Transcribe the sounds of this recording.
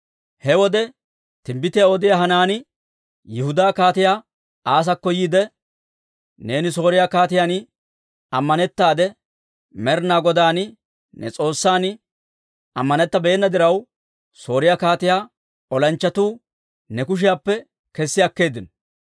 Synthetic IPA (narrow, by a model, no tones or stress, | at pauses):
hɛwɔd̪ɛ | t̪ɪmbɪt̪ɪjaɔd̪ɪjaɦɐnaːnɪ | jɪhʊd̪aːkaːt̪ɪjaː | aːs̬ɐkːɔjiːd̪ɛ | ne̞ːnɪso̞ːɾɪjaːkaːt̪ɪjaːn | ɐmːɐnɛt̪ːaːd̪ɛ | mɛɾnaːɡɔd̪aːn | nɛ̰t͡sʼo̞ːsːaːn | ɐmːɐnɛt̪ːɐbeːnːɐd̪ɪɾɐw | so̞ːɾɪjaːkaːt̪ɪjaː | ɔlɐnt͡ʃːɐt̪uː | nɛkʊʃ̬ɪjaːpːɛ | kɛsːɪjɐkːe̞ːd̪ɪnɔ